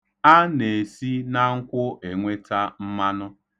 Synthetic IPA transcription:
a˦ne˨si˦na˦ŋ̩˦kʷʊ˦ʔe˨ŋʷe˦ta˦m̩˦ma˦nʊ˦

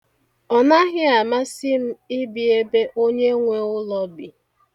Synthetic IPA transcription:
ɔ˨na˦ɦɪ˦a˨ma˦sɪ˦m̩˦ɪ˦bi˨e˦be˦ʔo˦ɲe˦ŋʷe˦ʊ˦lɔ˦bi˨

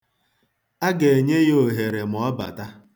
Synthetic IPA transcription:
a˦ɡe˨e˨ɲe˦jo˨ɦe˨ɾe˨m̩˨ɔ˦ba̰˨ta˦

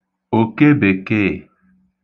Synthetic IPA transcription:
o˨ke˦be˨ke˦˨

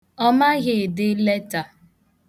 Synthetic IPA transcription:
ɔ˦ma˦ɣɪ˨dɪ˦le˦ta˨

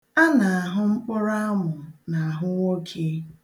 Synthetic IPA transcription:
a˦na˨a˨ɦʊ˦ŋ͡m̩˦k͡pʊ˦ɾa˦a˦mʊ˨na˨a˨ɦʊ˦ŋʷo˦kʰe˦

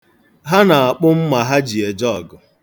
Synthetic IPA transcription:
ɦa˦na˨a˨k͡pʊ˦m̩˦ma˨ɦa˦d͡ʒi˨e˨d͡ʒɔ˦˨ɡʊ˨

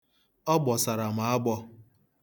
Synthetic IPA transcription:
ɔ˦ɡ͡bɔ˨sa˨ɾa˨ma˨˦a˦ɡ͡bɔ˦

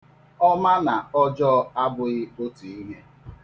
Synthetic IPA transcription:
ɔ˦ma˦na˨ɔ˦d͡ʒɔ˦a˦bʊ˨ɣɪ˦o˦tu˨i˦ɲe˦

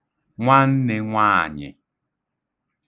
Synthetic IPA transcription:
ŋʷa˦n̩˦nɪ˨ŋʷa˦˨ɲɪ̰˨

